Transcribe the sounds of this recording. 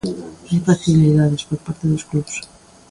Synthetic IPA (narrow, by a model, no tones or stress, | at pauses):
ajfaθiliðaðe̞spo̞ɾpaɾt̪eðoskluβs